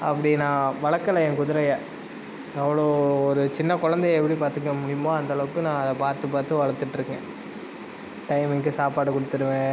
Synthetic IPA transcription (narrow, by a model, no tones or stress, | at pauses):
ɐ̰pːɐɽɪnãːʋɐɭɐkːɐlɐɛ̃ːkʊðɪɾɐjɐ | ɛʋɐɭoːɔɾɯt͡ʃɪnːɐkʊɻɐnd̪ɐjɛpːɐɽipaːɾt̪ɯkːɐmʊɽɪjʊmãːɐnd̪ɐɭɐʋɯkːɯnãːɐðɐpaːɾt̪ɯpaːɾt̪ːɯʋɐɭɐt̪ːɯʈːɾɯkːɡɛ̰̃ | ʈɐɪmɪŋkɯsaːpaːɽɯkːɔɽɯt̪ːɯɾɯʋẽː